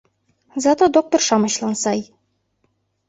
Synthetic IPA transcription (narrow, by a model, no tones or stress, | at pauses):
zɑt̪od̪ok̚t̪orʃɑmɤ̆ɕlˠɑnsɑj